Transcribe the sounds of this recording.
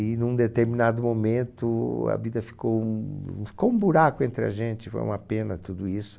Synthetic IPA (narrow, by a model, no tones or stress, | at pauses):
ɪnũd̪et̪eɾminad̪ʊmomẽnt̪ʊɐ̰vid̪ɐfi̥kõ | fi̥koũbuɾakʊẽnt̪ɾɪɐ̰ʒẽnt͡ʃɪfo̰jṵ̃mɐpẽnɐt̪ud̪ʊisʊ̥